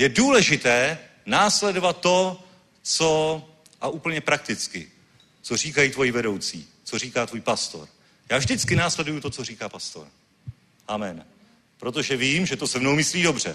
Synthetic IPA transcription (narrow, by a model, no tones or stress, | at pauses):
jɛduːlɛʒɪt̪ɛː | naːslɛdo̞vat̪ːo̞ | t͡so̞ | ʔaʔuːpl̩ɲɛpɾak̚t̪ɪt͡skɪ̰ | t͡so̞riːkajiːt̪vo̞jivɛdo̞wt͡sḭː | t͡so̞riːkaːt̪vuːjpast̪o̞̰ɾ | jaːvʒdɪt͡skɪnaːslɛdujut̪ot͡so̞riːkaːpast̪o̞̰ɾ | ʔamɛn | pɾo̞t̪̬o̞ʒɛviːmʒɛt̪o̞sɛvnowmɪsliːdo̞br̝ɛ̰